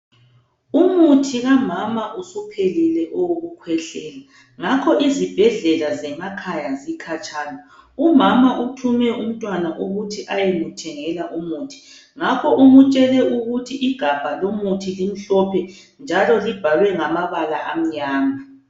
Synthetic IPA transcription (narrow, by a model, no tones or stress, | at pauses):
umutʰiɣamamaʔusɔpʰelilɛʔɔwoɣukʰwɛɬɛːla | ŋakʰɔʔizib̥ʱɛɮɛlazɛmakʰajazikʰat͡ʃʼaːnɔumamaʔutʰumɛum̩tʼwanaʔuɣutʰiʔajɛmutʰɛŋɛlaʔumuːtʰi̥ | ŋakʰɔʔumut͡ʃʼɛlɛuɣutʰiʔiɡ̥ʱab̥ʱalomutʰilim̩ɬɔpʰɛ | nd͡ʒʱalɔlib̥ʱalwɛŋamaβalaʔam̩ɲaːma